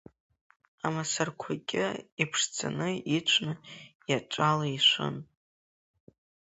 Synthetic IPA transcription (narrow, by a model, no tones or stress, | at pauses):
amasarkʷʰakʲʼɪipʰʂt͡sʰʼa̰nɨit͡ʃʷʰnɨjaʈ͡ʂʷʼalaiʃʷʊ̰n